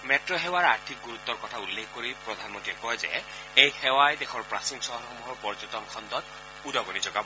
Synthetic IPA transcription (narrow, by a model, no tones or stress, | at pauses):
mɛtɹɔɦɛwaɹaɹtʰik̚ɡuɹut̪ːɔɹkɔtʰaulːekʰkoɹipɹɔd̪ʱanmɔntiɛkɔjzɛ̰ | ejxɛwajdɛxʰɔɹpɹasinsɔɦɔxɔmuɦɔɹpɔɹd͡ʒɔtɔnkʰɔntɔt | udɔɡɔnizɔɡab